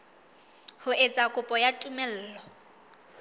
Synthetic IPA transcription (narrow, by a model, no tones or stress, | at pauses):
hʊet͡sʼakʼʊpʼɔjatʼumɛl̩ːlɔ